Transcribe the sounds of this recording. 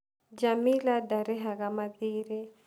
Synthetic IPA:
d͡ʒamiladaɾɛɦakamadiːɾi

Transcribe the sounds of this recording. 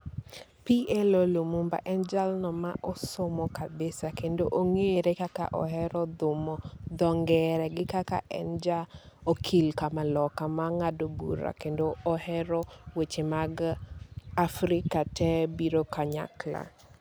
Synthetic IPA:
piʔɛlolomumba̰ʔɛnd͡ʒalnɔmaʔɔsomɔkabesakendoʔoŋeeɾekaka̰ʔɔ̰hɛɾɔd̪ʊmɔd̪ɔŋɡɛɾɛɡɪkaka̰ʔɛ̰nd͡ʒaokʰilkamalɔkamaŋadobṵɾa̰kendoɔhɛɾɔwet͡ʃemaɡ | afɾɪkatɛbiɾokaɲa̰kla̰

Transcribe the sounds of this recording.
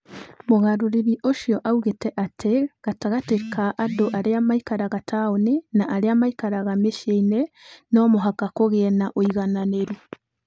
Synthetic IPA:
moɣaɾoɾiɾiʔoʃjɔʔauɣetɛʔatʰeɣ̥ataɣatekaʔadoʔaɾeamaikaɾaɣatʰaoninaʔaɾeamaikaɾaɣameʃeinenɔmoɦakakoɣɛnaʔoiɣananeɾu

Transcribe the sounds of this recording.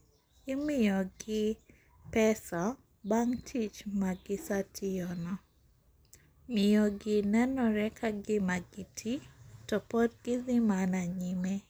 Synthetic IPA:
ɪmɪjɔɡɪ | pɛsa | baŋtʰit͡ʃmaɡɪsatʰɪjɔnɔ | mɪjɔɡɪnɛnɔɾɛkʰaɡɪmaɡitʰitɔpodɡ̥ɪzɪmanaɲime

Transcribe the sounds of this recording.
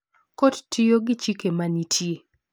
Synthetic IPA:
kottijoɡɪt͡ʃikemanitʰje

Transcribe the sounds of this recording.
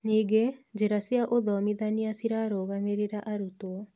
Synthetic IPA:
niːɡed͡ʒeɾasiaʔoðɔmiðaniasiɾaɾoɣameɾeɾaʔaɾutoɔ

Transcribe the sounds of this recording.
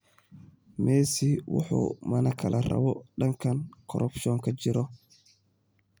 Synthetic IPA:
mɛːsiwʊ̰ħṵːmɐnɐkʰɐlɐrɐ̰βɔɖɐŋkʰɐnkʰɔɾʔɔbʃɔːŋkʰɐt͡ʃɪɾɔ

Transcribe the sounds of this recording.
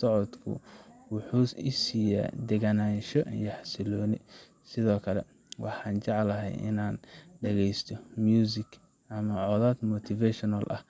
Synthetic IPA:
sɔʕɔd̪kʰʊ̰wʊħuːɪ̰siːja̰ːd̪ɛɣanaːnʃɔjɐħɑsɪlɔːnɪ̰ | sɪðɔːkʰɐlɛ̰ | wɑħɑːnt͡ʃɑʕlɐɦɛ̰jʔɪ̰naːnɖɛɣɛjst̪ʰɔmjuːsɪk | ʔɐmɐʕɔðaːd̪mɔt̪ʰɪfɛʃɔnɐlʔɐ̰h

